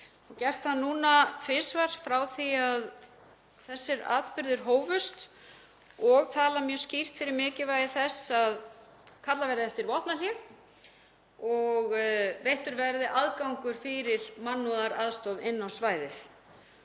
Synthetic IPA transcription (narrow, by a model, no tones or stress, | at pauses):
ɔɣcɛr̥t̪θannuːnat̪ʰvɪːsvaɾ̥fɾawθiað | θɛsːɪɾa̰ːt̪pʏɾðɪɾɦoːwvʏst̪ | ɔɣt̪ʰaːlamjœːscir̥t̪fɪɾɪɾmɪːcɪvaːjɪθɛsað | kʰat̪lavɛɾðɛft̪ɪɾvɔht̪naljɛɣ | ɔɣvejht̪ʏɾvɛɾðɪʔaðkawŋkʏɾ̥fɪɾɪɾmanːɔðaɾaðst̪ɔðɪnːawsvaːjðɪθ